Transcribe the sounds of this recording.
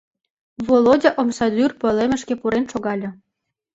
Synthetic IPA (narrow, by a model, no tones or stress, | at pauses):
volodʲɑʔomsɑd̪yrpɤ̆lemə̆ʃkepuɾenʃoɣɑlʲɤ̆